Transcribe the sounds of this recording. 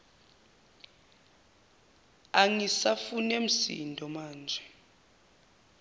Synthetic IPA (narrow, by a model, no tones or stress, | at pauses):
aŋisafunem̩sḭndʱɔmaːnd͡ʒʱɛ